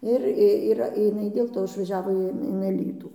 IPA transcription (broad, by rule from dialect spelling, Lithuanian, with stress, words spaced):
ˈɪr ˈiːrɐ ɪˈnɐɪ dʲeːlˠ ˈtoː ɪʃʋɐˈʒʲæːʋoː ɪn ɪn ɐˈlʲiːtuː